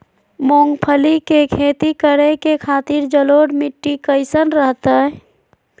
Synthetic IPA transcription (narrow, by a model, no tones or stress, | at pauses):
moːŋɡpʰəlikekʰeːt̪ikəɾekekʰaːt̪iɾd͡ʒəloːɽmiʈːikəɪsənɾəɦt̪ə